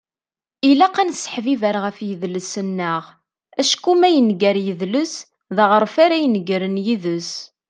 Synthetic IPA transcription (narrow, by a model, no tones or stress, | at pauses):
ilæqænsə̥ħvivəɾʁəfjəðləsənːəʁ | æʃkːumæjənɡæɾjəðləs | ðəʁəɾˤfaɾæjənəɡɾənjiðəs